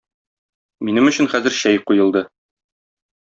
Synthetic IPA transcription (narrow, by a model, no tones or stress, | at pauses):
minɘmɵ̆ɕɘ̆nχæzɘ̆ɾɕæjqujɤ̆lˠd̪ɤ